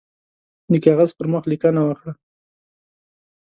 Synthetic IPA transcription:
d̪əkɑɣazpəɾməxlikanawakɽa

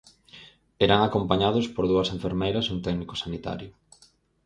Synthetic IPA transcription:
ɛɾaŋakompaɲaðʊspoɾð̞uɐsẽɱfeɾmejɾɐsuŋt̪ɛknikʊ̥sanit̪a̰ɾjʊ

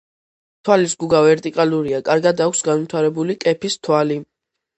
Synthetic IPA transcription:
t̪ʰwalisɡuɡavɛɾt̪ʼikʼaluɾiakʼaɾɡad̪akʷʰsɡanvit̪ʰaɾɛbulikʼɛpʰist̪ʰwali

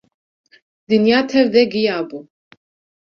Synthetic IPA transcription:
d̪injat̪ʰɛvd̪ɛɡijabu

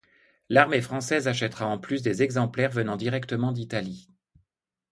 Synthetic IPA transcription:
laʁmefχɑ̃sɛzaʃ̬ɛt̪ʁaɑ̃plys̬d̪ezɛɡzɑ̃plɛʁvənɑ̃d̪iʁɛkt̪əmɑ̃d̪it̪ali

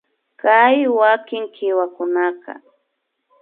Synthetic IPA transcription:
kajwakɪŋkɪwakʊnakɑ̰

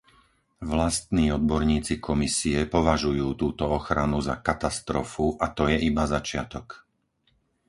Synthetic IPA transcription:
ʋlast̪niːɔd̪̚bɔɾɲiːt͡sikʰɔmisiɛpɔʋaʒujuːt̪uːt̪ɔɔxɾanuza̰kat̪ast̪ɾɔfuʔat̪ɔjɛʔibazat͡ʃɪat̪ɔk

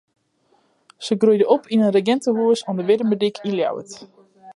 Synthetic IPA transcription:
səɡrujdəɔpʰinənrəɡɛntəɦuəsɔndəʋɪdəmədikʰinlja̰wə̰t

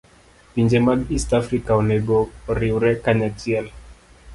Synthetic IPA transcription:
piɲd͡ʒɛmaɡistafɾikaɔnɛɡɔɾiuɾɛkaɲatiɛl

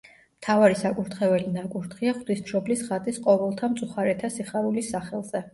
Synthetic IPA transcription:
mt̪ʰavaɾisakʼuɾt̪χɛvɛlinakʼuɾt̪ʰχiaχd̪isʃɔblisχat̪ʼisqʼɔvɛlˠt̪ʰamt̪sʼuχaɾɛt̪ʰasiχaɾulisːaχɛlˠz̥ɛ

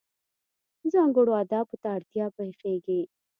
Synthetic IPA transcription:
zãːŋɡoɽoaːd̪aːput̪aːɾt̪ijaːpɐɦifẽːɡeː

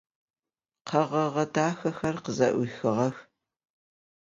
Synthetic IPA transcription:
qʰɐʁɐʁɐdaːxɐxɐrqəzɐ̰ʔʷixɨʁɐx

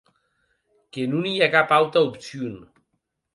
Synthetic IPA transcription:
kenuniakapawt̪aupsjun

